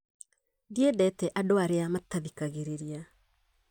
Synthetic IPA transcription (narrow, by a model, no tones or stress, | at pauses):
ðiedɛtɛʔadoaɾeamataðikaɣeɾeɾia